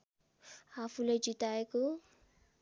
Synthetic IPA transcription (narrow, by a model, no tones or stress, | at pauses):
hafuled͡ʒit̪ajku